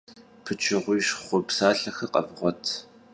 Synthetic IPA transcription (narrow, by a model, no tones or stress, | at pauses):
pʰɨt͡ʃʰɪʁʷʊjʃχʷʊpsaːɬɐxɐqɐ̰vʁʷɔtʰ